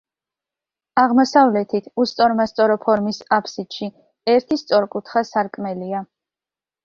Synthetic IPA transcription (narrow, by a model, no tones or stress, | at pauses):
aʁmɔsavlɛt̪ʰit̪ʰust̪sʼɔɾmast̪sʼɔɾɔpʰɔɾmisapʰsid̪̥ʃi | ɛɾt̪ʰist̪sʼɔɾkʼut̪ʰχasaɾkʼmɛlia